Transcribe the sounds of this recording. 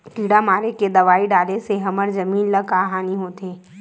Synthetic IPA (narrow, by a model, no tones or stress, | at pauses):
ʈiːɽamaːɾeked̪ɐʋaːiɖaːleseɦɐməɾzɐmiːnlɐɡaːɦaːniɦoːt̪eː